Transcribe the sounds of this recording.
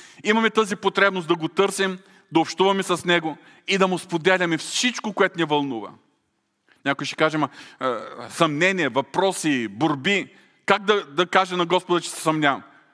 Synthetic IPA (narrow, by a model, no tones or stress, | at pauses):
imɐmɛt̪ɤzipot̪ɾɛbnosd̪ɐɡot̪ɤɾsim | d̪ɐʊpʃt̪uvɐmɛsɐsnɛɡʊ | id̪ɐmʊspod̪ɛlʲɐmɛfsit͡ʃkokoɛt̪ʊnɛvɐlˠnuvɐ̰ | nʲakʊjʃɛ̥kaʒɛmɐ | sɐmnɛnʲiɛvɐpɾɔsiboɾbi | kaɡ̚d̪ɐd̪ɐkaʒɛnɐɡɔspʊd̪ɐt͡ʃɛ̥sɛ̥sɐmnʲam